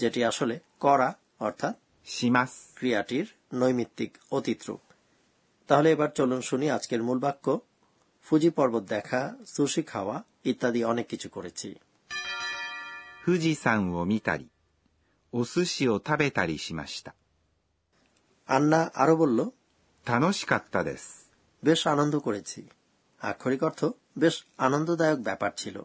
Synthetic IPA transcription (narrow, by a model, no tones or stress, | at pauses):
d͡ʑeʈiaʃolekɔɾa | ɔɾt̪ʰat̪̚ | ɕimasɨ̥kɾijaʈiɾ | nojmit̪ːik | ot̪it̪ɾṵp | t̪aɦoleebaɾt͡ɕolonʃuniad͡ʑkeɾmulbakːo | fud͡ʑipɔɾbot̪̚d̪ɛkʰasuʃikʰaoa | it̪ːad̪iɔnekːit͡ɕʰukoɾet͡ɕʰḭ | ɸɯd͡ʑisãɰ̃omʲit̪a̰ɾʲḭ | osɨɕiot̪abe̞t̪aɾʲiɕima̰ɕi̥t̪ḁ | a̰nːaʔa̰ɾobolːo | t̪anoɕi̥kat̪ːad̪ḛsɨ̥ | beʃanond̪ʱokoɾet͡ɕʰḭ | a̰kʰːoɾikɔɾt̪ʰo | beʃanond̪od̪aeok̚bɛpaɾt͡ɕʰilo̰